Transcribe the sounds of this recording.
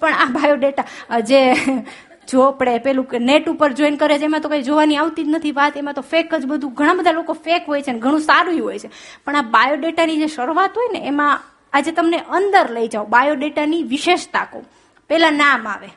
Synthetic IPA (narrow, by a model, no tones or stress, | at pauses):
pəɳabajoɖeʈad͡ʒe | d͡ʒopɽepɛɦlũkeneʈupəɾd͡ʒoinkəɾet͡ʃʰemãt̪okaid͡ʒoʋaniaʋt̪id͡ʒnət̪ʰiʋat̪emãt̪ofekəd͡ʒbəd̪ʱũɡʱəɽ̃ãbəd̪ʱalokofekɦojt͡ʃʰeneɡʱəɽ̃ũsaɾuiɦojt͡ʃʰe | pəɳ̃abajoɖeʈanid͡ʒeʃəɾʋat̪ɦojneemã | ad͡ʒet̪əmneʔənd̪əɾləjd͡ʒaobajoɖeʈaniʋiʃeʃt̪ako̰ | pɛlãnamaʋe